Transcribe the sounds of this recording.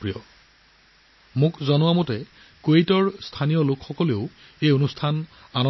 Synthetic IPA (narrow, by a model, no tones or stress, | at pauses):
ɹijɔ | mʊkzɔnʊwamotɛ | koejtɔɹstʰanijɔlʊkxɔkɔleʊ | ejonustʰananɔ